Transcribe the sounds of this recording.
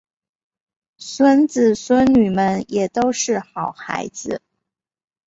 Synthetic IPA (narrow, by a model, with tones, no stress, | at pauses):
swə˥nt͡sɹ̩˨˩swə˥nny˨˩mə˧njɛ˨˩t̪o˥ʊʂɻ̩˥˩xɑ˨˩ʊxa̰˧˥ɪd͡zɹ̩˧